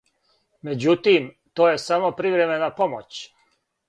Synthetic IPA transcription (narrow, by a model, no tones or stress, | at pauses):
me̞d͡ʑut̪im | t̪oːje̞samopɾiʋɾeme̞napo̞mot͡ɕ